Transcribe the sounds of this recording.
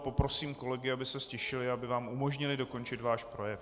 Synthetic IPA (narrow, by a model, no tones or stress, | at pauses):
po̞pɾo̞siːmko̞lɛɡɪabɪsɛscɛʃɪlɪabɪvaːmʔumo̞ʒɲɪlɪdo̞ko̞nt͡ʃɪt̪vaːʃpɾo̞jɛf